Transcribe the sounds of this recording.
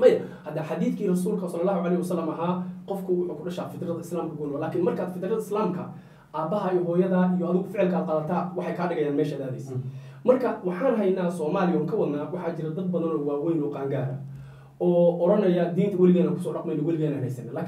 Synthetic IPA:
mɐjɐ | hɐd̪ɐħɑd̪iːθkʰiːrɑsuːlkʰɐsɐlːɐlːaːhuʕɑlɛjhwɐsɐlːɐmɐɦaːqɔfkʰʊwʊħuːkʰʊɖɐʃaːfɪðɾɐðɐɪslaːmkʰɐkʊnɔɔlaːkʰɪnmɐrkʰaːd̪fɪðɾɐðɐɪslaːmkʰɐ̰ | ʔaːbɐɦɐijɔɦɔːjɐðaːijɔhɐðʊɣʊfɪʕɪlkʰɐaːd̪̚qɑːðɐt̪ʰaːwɑħɑjkʰaːɖɪɣɐjaːnmɛːʃaːd̪aːðɛjsɐ | mɐrkʰɐwɑħɑːnɦɛjnaːsɔːmaːlɪjɔːŋkʰɐwɐðnaːwɑħɑːt͡ʃɪɾɐd̪ɐd̪̚bɐðɐnɔːwaːwɛjnɔqaːŋɡaːɾɐ̰ | ɔːɔɾɐnɐjɐd̪iːnt̪ʰɐwɐlɪɣɛːnaːŋkʰʊ̥sɔːɖɑqmɛjnɔwɑlɪɣɛːnɐːnhɛ̰jsɐnːɐlaːk

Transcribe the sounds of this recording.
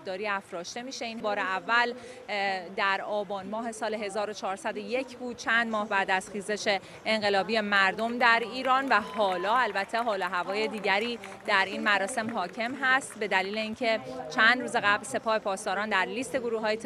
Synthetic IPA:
d̪ɒːɾiːæfɾɒːʃt̪e̞miːʃe̞inbɒːɾeævːæl | d̪æɾɒːbɒːnmɒːɦe̞sɒːleɦe̞zɒːɾo̞t͡ʃʰɒːɾsæd̪o̞je̞cʰbuːd̪̥̚t͡ʃʰænd̪mɒːhbæːd̪æz̥xiːze̞ʃe̞ː | ŋɢe̞lɒːbiːje̞mæɾd̪o̞md̪æɾiːɾɒːnvæhɒːlɒːælbæt̪ʰːe̞ɦɒːlɒːɦævɒːje̞d̪iːɟæɾiːd̪̥æɾiːnmæɾɒːse̞mɦɒːcʰe̞mɦæst̪be̞d̪æliːle̞iːncʰe̞t͡ʃʰænd̪ɾuːzeɣæblse̞pʰɒːhe̞pʰɒːst̪ɒːɾɒːnd̪æɾliːst̪e̞ɡoɾuːɦɒːje

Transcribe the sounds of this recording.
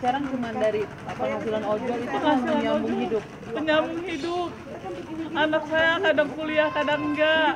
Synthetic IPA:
kaɾaŋd͡ʒəmandaɾi | pəŋɦasilanod͡ʒɔit̪əŋasiəaɲambʊŋɦidʊp̚ | pəɲambʊŋɦidʊp̚ | anak̚sajakadaŋkuliahkadaŋŋɡaʔ

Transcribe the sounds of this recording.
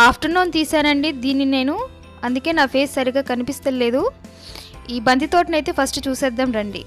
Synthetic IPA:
aːpʰʈɐɾnoːnt̪iːsaːnɐɳɖid̪iːnːine̞ːnu | ɐnd̪uke̞ːnaːpʰe̞ːssɐɾiɡaːkɐnipist̪ɐlːe̞ːd̪u | iːbɐnd̪ʱit̪o̞ːʈinɐjt̪e̞ːpʰɐsʈut͡ʃuːsɛːd̪ːɐmɾɐɳɖḭ

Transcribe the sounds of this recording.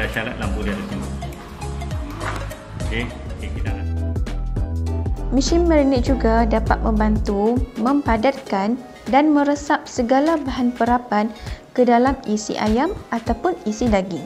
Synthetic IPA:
aʃaɾat̪̚laŋbuɾiadasimi | okekekit̪ala | mĩʃɪnməɾiniʔ̚d͡ʒuɡadapa̰t̪̚mə̃mbant̪umə̃mpadat̪̚kan | danmə̃ɾəsap̚səɡalabaɦanpəɾapankədalamisḭʔa̰jamat̪awpʊnisidaɡi

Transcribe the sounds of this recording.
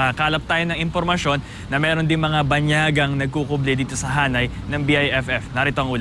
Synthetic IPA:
akaːlɐp̚t̪aːjo̞nɐŋɪnpoɾmɐʃo̞nːɐmɛːɾo̞nd̪ɪŋmɐŋabɐɲjaːɡɐŋnɐɡ̚kukʊblɛd̪iːt̪o̞sɐɦaːnɐjnɐŋbiʔajʔɛfɛfnaɾɪt̪oʔɐŋʔuːl

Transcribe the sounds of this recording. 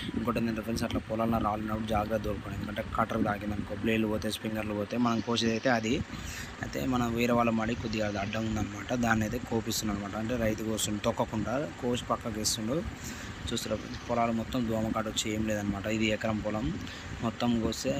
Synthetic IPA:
iŋkoːʈːind̪ɐnʈɐpːnsɐʈlaːpɔlaːlnaɾaːlunːɐpuɽud͡ʒaːɡɾaːd̪oːɾkoned̪ukɐɳʈe̞ːkɐʈɐɾd̪aːɡind̪ɐnkobleːluboːt̪eːspiŋɡɐɾluboːt̪eːmɐnɐmkoːt͡ʃed̪ɐjt̪eːɐd̪i | ɐjt̪e̞̰ːmɐnɐmʋiːɾɐʋaːlɐmaːɽikod̪ːiɡaːlɐd̪ɐɖːɐmund̪ɐnːɐmaːʈɐd̪aːnːet̪eːkoːpist̪unːɐnːɐmaːʈɐːɳʈe̞ːɾɐjt̪uɡoːsunt̪ɔkːɐkuɳɖaːkoːsu̥pɐkːɐkest̪uɳɖu | t͡ʃuːst̪unɐpːɾɐ̰npɔlaːlumɔt̪ːɐmd̪ʱɔːmɐkaːʈut͡ʃːeːmleːd̪ɐnːɐmaːʈɐid̪iɛkɐɾɐmpɔlɐmː | ɔt̪ːɐmɡoːst̪eː

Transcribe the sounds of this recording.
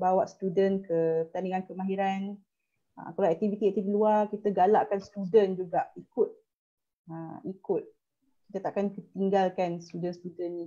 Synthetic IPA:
bawaʔsə̥t̪udənkəpət̪aniŋankəmãɦiɾan | ə̰kalawɛk̚t̪ivit̪iɛk̚t̪ifiluarkit̪əɡala̰ʔkanst̪udənd͡ʒuɡaʔikʊt̪̚ | əikʊt̪̚ | ki̥t̪ət̪aʔkankət̪iŋɡalkanst̪udənst̪udəni

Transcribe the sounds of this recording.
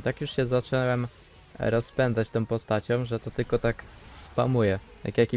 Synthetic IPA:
t̪akjuʂɕɛzat͡ʂɛwɛm | ɾɔspɛnd̪zat͡ɕt̪ɔ̃w̃pɔst̪at͡ɕɔ̃wʐɛt̪ɔt̪ɘlkɔt̪akspa̰mujɛ | t̪a̰kjakʲi

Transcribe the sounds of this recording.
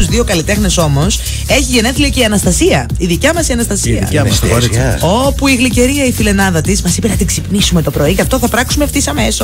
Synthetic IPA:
uzðio̞kɐlit̪e̞xne̞so̞mo̞s | e̞çiʝe̞neθliceiɐnɐst̪ɐsiɐiðicɐmɐsiɐnɐst̪ɐsḭɐ̰ɐsɾo̞puiɣliceɾiɐifile̞nɐðɐt̪ismɐsipenɐt̪iɡzipnisume̞t̪o̞pɾo̞icɐft̪o̞θɐpɾɐksumeft̪isɐme̞so

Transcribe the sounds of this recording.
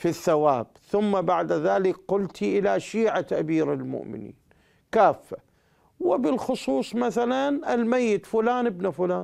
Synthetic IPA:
fiθːawaːb̚θʊmːabaʕd̪aðaːlɪkqʊlt̪iʔɪlaʃiːʕat̪aʔabiːɾɪlmʊ̰ʔmɪ̰nḭːn | kaːfːa | wɪbɪlxʊsˤuːsˤmaθalanɪlmajːɪt̪fʊlaːnɪbnafʊlaːn

